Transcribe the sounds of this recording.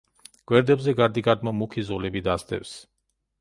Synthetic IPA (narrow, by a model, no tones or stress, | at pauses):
ɡ̥wɛɾd̪ɛbzɛɡaɾd̪iɡaɾd̪mamukʰizɔlɛbid̪asd̪ɛ̰fs